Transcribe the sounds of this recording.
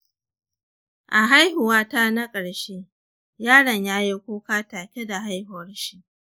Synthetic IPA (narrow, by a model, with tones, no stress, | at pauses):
ʔa˨ɦa˦jhʊ˨waː˦ta˦na˦kʼɐ˨ɽʃe˦ | jaː˦ɽɐ˨ɲjaː˦ji˦kʷoː˦kaː˦taː˨kʲe˦da˨ɦa˦jhʊ˨˦rʃi˦